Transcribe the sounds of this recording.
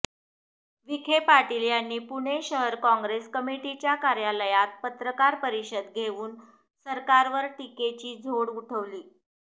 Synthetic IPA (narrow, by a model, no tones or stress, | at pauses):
ʋikʰepaʈiljanːiːpuɽ̃eɕəɦəɾkɔ̃ŋɡɾeskəmiʈit͡ɕjakaɾjaləjat̪̚pət̪ɾəkaɾpəɾiɕəd̪ɡʱeʋuːn | səɾkaɾʋəɾʈiket͡ɕiːd͡zʱoɽuʈʰəʋliː